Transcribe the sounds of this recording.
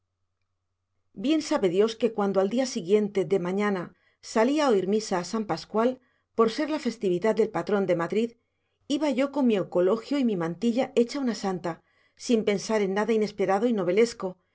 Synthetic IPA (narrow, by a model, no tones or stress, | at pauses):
bje̞nsaβe̞ðjo̞ske̞kwand̪oald̪iasiɣje̞nt̪e̞ðe̞mãɲana | saliaoiɾmisaːsampaskwal | po̞ɾse̞ɾlafe̞st̪iβiðaðd̪e̞lpat̪ɾo̞nd̪e̞maðɾið | iβaʝo̞ko̞ŋmiewko̞lo̞xjoimimãnt̪iʎae̞t͡ʃaunasant̪a | simpe̞nsaɾe̞nːaðaine̞spe̞ɾaðo̞ino̞β̞e̞le̞sko̞